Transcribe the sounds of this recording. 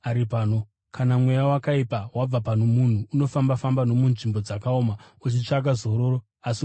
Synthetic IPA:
aɾipaːno̞ | kanamwe̞jawakaipawab͡vapanomun̤uːno̞fambafambano̞munʐimbo̞d͡zakaoma | ut͡ʃit͡ʂaɡazo̞ɾo̞ːɾo | asi

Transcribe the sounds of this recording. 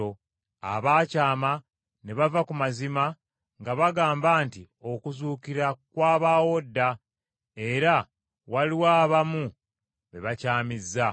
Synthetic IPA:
o | a̰βaːcaːma | neβavakumazima | ŋɡaβaɡaːmbaːnti | o̞kuzuːkiɾakwaːβaːwo̞dːa | e̞ɾa | waliwaːβamu | βe̞βacaːmizːa

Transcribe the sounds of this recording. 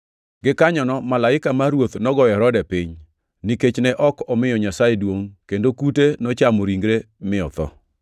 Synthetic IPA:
ɡɪkaɲɔnɔmalaɪkamaɾwot̪nɔɡɔɛɾɔdɛpɪɲ | niket͡ʃnɛʔɔkɔmɪjɔɲasajedwoŋkendokutenɔt͡ʃamɔɾiŋɡɾemɪɔ̰t̪ɔ̰

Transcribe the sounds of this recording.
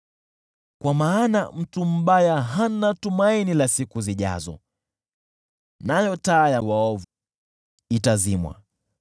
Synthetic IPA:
kwamaːnam̩tum̩ɓajaɦanatumainilasikuziʄa̰zɔ̰ | najɔtaːjawaɔvu | itazimwa̰

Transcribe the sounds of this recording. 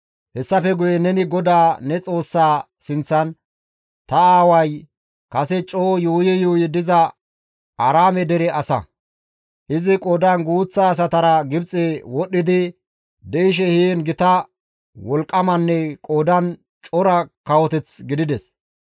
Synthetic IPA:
hɛsːɐfɛɡʊjɛnɛnɪɡɔd̪aːnɛt͡sʼo̞ːsːaː | sɪnt͡sːɐn | t̪ɐaːwɐj | kɐsɛt͡ʃʼoːjuːjɛjoːjɪd̪ɪzɐ | ʔɐɾaːmɛd̪ɛɾɛʔɐsɐ̰ | ʔɪzɪkʼoːd̪ɐnɡuːt͡sːaːs̬ɐt̪ɐɾɐɡɪbt͡sʼeːwɔɗːɪd̪ɪ | d̪ɛɪʃ̬ɛheːnɡɪt̪ɐ | wɔlkʼːɐmɐnːɛkʼoːd̪ɐn | t͡ʃʼɔɾɐkɐwɔt̪ɛt͡sɡɪd̪ɪd̪ɛs

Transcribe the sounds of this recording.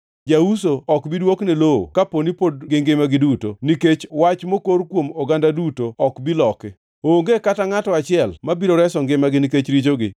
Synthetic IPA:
d͡ʒausoɔkbidwoknɛloo̰kaponipod̚ɡɪŋɡɪmaɡɪdutoniket͡ʃwat͡ʃmokoɾkwomɔɡandadutoɔkbilɔkɛ | oːŋɡekataŋatɔat͡ʃɪɛlmabiɾoɾɛsɔŋɡɪmaɡɪniket͡ʃɾit͡ʃoɡɪ

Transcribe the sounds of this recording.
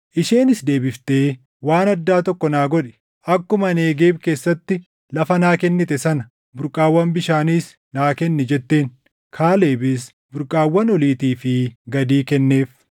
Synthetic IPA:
ʔɪʃe̞ːnɪsd̪e̞ːbɪft̪eː | waːnɐd̪ːaːt̪ɔkːɔnaːɡɔᶑɛ̥ | ɐkːʊmɐneːɡe̞ːbke̞ːsːɐt̪ːɪ | lɐfɐnaːkɛnːɪt̪ɛsɐnɐ | bʊɾkʼaːwːɐmbɪʃaːniːs | naːkɛnːɛd͡ʒɛt̪ːe̞ːn | kʰaːle̞ːbɪs | bʊɾkʼaːwːɐnɔliːt̪iːfɪɡɐd̪iːkɛnːe̞ːf

